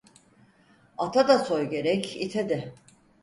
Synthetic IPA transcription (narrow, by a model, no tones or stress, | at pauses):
at̪ʰad̪aso̞jɟe̞ɾɛcit̪ʰɛd̪ɛ